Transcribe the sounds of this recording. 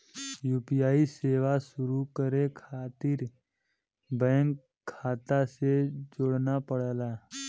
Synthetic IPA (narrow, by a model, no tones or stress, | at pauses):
juːpijaːiseːʋaʃʊɾukəɾekʰaːt̪ɪɾ | bɛ̃ːŋkʰː | aːt̪ased͡ʒʊɽnapəɽəlaː